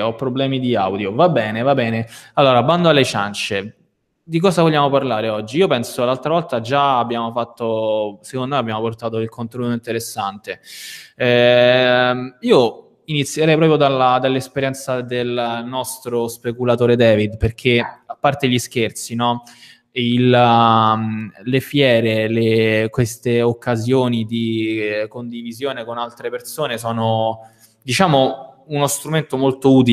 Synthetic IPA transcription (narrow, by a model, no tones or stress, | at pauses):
ɔpːɾoblɛːmid̪ia̰wd̪jovabːɛːnevabːɛːnealːoːɾaband̪oalːet͡ʃa̰nt͡ʃe | d̪ik̬ɔːsavolʎːaːmoparlaːɾeɔd͡ʒːiiopɛnsolːalt̪ɾavɔlt̪ad͡ʒaabːjaːmofat̪ːose̥kõnd̪omɛabːjaːmoport̪aːt̪̬oilkʰont̪enuːt̪oint̪eɾesːant̪e | ɛ | iːo | init̪sjeɾɛjpɾɔːpɾjod̪alad̪alːespeɾjɛnt̪sad̪elnɔst̪ɾospekulat̪oːɾed̪ɛːvid̪perk̟ʰeapːart̪eʎisk̟ert̪sinɔ | il | lefjɛːɾelekwest̪eokːazjoːnid̪ikond̪ivizjoːnekonalt̪ɾepersoːnesɔːno | d̪it͡ʃaːmounost̪ɾument̪omolt̪ouːt̪̬i